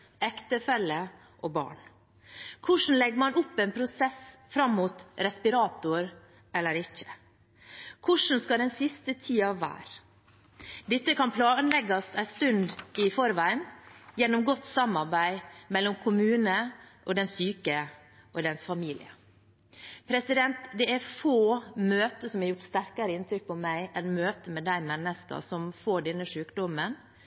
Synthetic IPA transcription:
ɛkt̪əfɛlːə | ʔoːbɑ̰ːɳ | kʰʊʂn̩lɛɡmɑnʊpːɛnpʰɾʊsɛsfɾɑmːuːt̪ɾɛspɪɾɑːt̪ʊɾ | ɛlːəɾɪçə̥ | kʰʊʂn̩skɑd̪ɛnsɪst̪ət̪ʰiːɑʋːæ̰ːɾ | d̪ɪt̪ːəkɑnpʰlɑːnlɛɡɑst̪æɪst̪ʉnd̪ɪfɔɾʋæɪənjɛnːɔmɡɔt̪ːsɑmɑɾbæɪmɛlːɔmkʰʊmʉːnəʔɔd̪ɛnsyːkə | ʔɔd̪ɛnsfɑmiːlɪ̰ə | pʰɾɛsɪd̪ɛnt̪d̪ɛæɾfoːmøːt̪əsɔmɑɾjʊʈst̪æɾkɑɾəɪnt̪ɾʏk̚pʰɔmæɪʔɛnmøːt̪əmɛd̪æɪmɛnːəskɑ̰sɔmfoːɖɛnːəʂʉːkd̪ɔmən

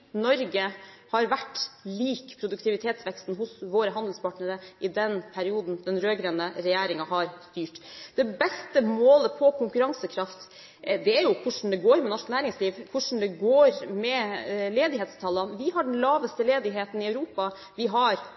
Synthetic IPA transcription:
nɔɾɡəhɑɾʋæʈːliːkpʰɾʊd̪ʉkt̪ʰɪʋɪt̪ʰeːt̪sʋɛkst̪n̩ɦʊsʋoːɾəɦɑnd̪l̩spʰɑʈnəɾəʔɪd̪ɛnpʰæɾɪuːd̪n̩d̪̥ɛnɾøːɡɾenəɾɛjeːɾɪŋɑɦɑɾst̪yːʈd̪ɛbɛst̪əmoːləpʰɔkʰʊŋkʉɾɑŋsəkʰɾɑft̪ | d̪ɛæɾjʊkʰʊʂn̩d̪ɛɡoːɾmɛnɔʂknæːɾɪŋsliːʋkʰʊʂɳ̩d̪ɛɡoːɾmɛleːd̪ɪɦeːt̪st̪ʰɑlɑnʋɪɦɑɖɛn̩lɑːʋəst̪əleːd̪ɪɦeːt̪n̩ɪɑʉɾuːpɑ | ʋɪɦɑɾ

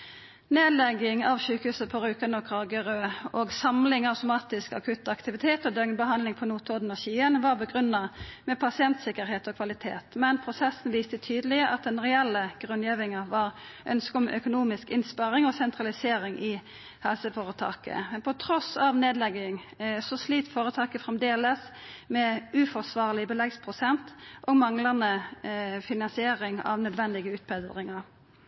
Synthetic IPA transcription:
neːd̪lɛɡɪŋɑʋʃʉːkəhʉːsəpʰɔɾʉːkɑnɔkʰɑɡəʁøːʔoːɡsɑmlɪŋɑʉt̪ʊmɑːt̪ɪskɑ̰kʰʉt̪ːɑkt̪ɪʋɪt̪ʰeːt̪ɔd̪œŋnbəɦɑnd̪lɪŋpʰɔnuːt̪ʰɔd̪n̩ɔɕiːənʋɑʁbəɡʁʉnːɑmɛpʰɑsɪɛnt̪sɪkəɾɦeːt̪ɔkʰʋɑlɪt̪ʰḛːt̪mɛnpʰɾʊsɛsn̩ʋiːst̪ət̪ʰyːd̪əlɪʔɑt̪̚d̪ɛnʁɛɛlːəɡ̥ʁʉnjiːʋɪŋɑʋɑʁʔœ̰nskɔmʔœkʊnuːmɪskɪnspɑɾɪŋɔsɛnt̪ʁɑlɪseːɾɪŋʔɪ | hɛlsəfoːʁət̪ʰɑ̰ːkə̰mɛnpʰɔt̪ʰɾɔsɑʋneːd̪lɛɡɪŋ | sɔsliːt̪foːɾət̪ʰɑːkəfʁɛmd̪eːləsmɛʉːfɔʁsʋɑːʁlɪbəlɛɡspʰʁʊsɛnt̪ʔɔɡmɑŋlɑnə | fɪnɑnsɪeːɾɪŋɑ̰ʋnœd̪ʋɛnd̪ɪɡəʉːt̪̚pʰɛd̪ʁɪŋɑʁ

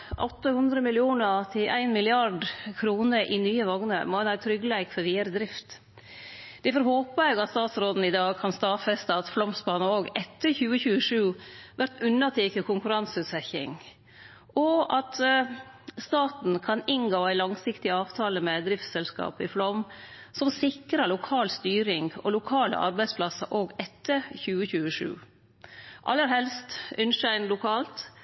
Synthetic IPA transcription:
ʔɔt̪ːəhʉnd̪ɾəmɪlɪuːnət̪ʰɪlʔæ̰ɪnmɪlɪɑɖkʰɾuːnəɾʔɪnyːəʋɑŋnə̰ɾmɔɛnæːɾt̪ʰɾʏɡəlæɪkfɔɾʋiːəɾəd̪ɾɪft̪ | d̪̥ɛfɔɾhoːpəæɪɡɑt̪st̪ɑːt̪sɾoːd̪n̩ɪd̪ɑːɡ̚kʰɑnst̪ɑːfɛst̪ɑːt̪flɔmsbɑːnoːɡɛt̪ːəɾçʉːəçʉːəʂʉːʋʔæɾt̪ʉnɑt̪ʰɪːkəkʰʊŋkʉɾɑnsʉːt̪sɛçɪ̰ŋ | ʔɔɑt̪ | st̪ɑːt̪n̩kʰɑnɪnɡoːæɪlɑŋsɪkt̪ɪɑːʋt̪ʰɑːləmɛd̪ɾɪft̪sɛlskɑ̰ːpɪflɔm | sɔmsɪkɾəɭʊkʰɑːlst̪yːɾɪŋɔ̰lʊkʰɑːlə̰ʔɑ̰ɾbæɪspʰlɑsə̰ɾʔoːɡɛt̪ːəɾçʉːəçʉːəʂʉ̰ː | ʔɑ̰lːəɾhɛlst̪ʔʏnʂæɪnlʊkʰɑːlt̪

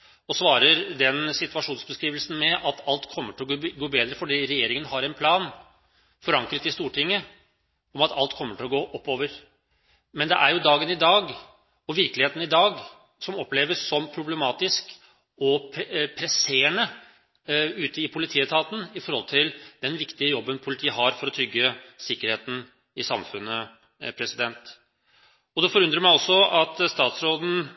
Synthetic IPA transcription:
ɔsʋɑːɾəɾd̪ɛnsɪt̪ʉɑʂuːnsbəskɾiːʋəlsn̩mɛʔɑt̪ʰɑlt̪kʰɔmːəʈʰɪlɔɡoːbeːd̪ɾəfɔɖiːɾɛjeːɾɪŋənɦɑɾɛnpʰlɑːn | fɔɾɑŋkɾət̪ɪst̪uːʈʰɪŋːə | ɔmɑt̪ʰɑlt̪kʰɔmːəʈʰɪlɔɡoːʔɔpːoːʋəɾ | mɛnd̪ɛ̰ʔæɾjʊd̪ɑːɡənɪd̪ɑːɡ | ɔʋɪɾklɪheːt̪ən̩ɪd̪ɑːɡ | sɔmɔpːleːʋəsːɔmpʰɾʊblɛmɑːt̪ɪsk | ɔpʰɾɛseːɳə | ʉːt̪əɪpʰʊlɪt̪ʰiːət̪ʰɑːt̪n̩ɪfɔɾhɔlt̪ʰɪld̪̥ɛnʋɪkt̪ɪəjɔbːənpʰʊlɪt̪ʰiːəɦɑɾfɔɾɔt̪ʰɾʏɡːəsɪkːəɾheːt̪n̩ | ɪsɑmfʉnːə | pʰɾɛsɪd̪ɛnt̪ | ɔd̪ɛfɔɾʉnd̪ɾəmæɪɔsːɔɑt̪st̪ɑːt̪sɾoːd̪n̩

